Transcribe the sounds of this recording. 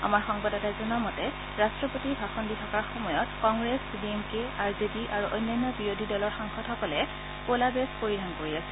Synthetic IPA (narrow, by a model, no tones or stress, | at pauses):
a̰maɹxɔŋbadɔtazɔnɔmɔtɛ | ɹastɹɔpotibʱaxɔnditʰɔkaɹxɔmɔjɔtkɔŋɡɹesbiemkeaɹzebiʔaɹuʔɔ̰jnːajnːɔbiɹodʱidɔlɔɹxaŋxɔtʰɔkɔlɛ | kolabespoɹidʱankoɹiasɛ̥